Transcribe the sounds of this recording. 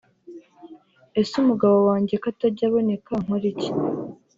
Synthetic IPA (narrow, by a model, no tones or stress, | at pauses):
esumuɡaβo̞waːɲɟe̞kataɟaβo̞ne̞kaŋ̥oɾici̥